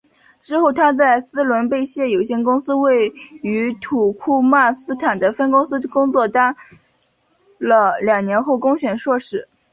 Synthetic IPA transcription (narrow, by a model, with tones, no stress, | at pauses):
ʈ͡ʂɻ̩˥xo˥˩ʊt̪ʰa˥t͡sa˥˩ɪsɹ̩˥lwə˧˥npe˥˧ɪɕjɛ˥˩jo˨˩ʊɕjɛ˥˧nkʊ˥ŋsɹ̩˥we˥˩ɪy˧˥t̪ʰu˨˩kʰu˥ma˥˩sɹ̩˥t̪ʰa˨˩nd̪ə˦fə˥nkʊ˥ŋsɹ̩˥kʊ˥ŋt͡swɔ˥˩t̪a˥n | lə˧ljɑ˨˩ŋnjɛ˧˥nxo˥˩ʊkʊ˥ŋɕɥɛ˨˩nʂwɔ˥˩ʂɻ̩˧˩˥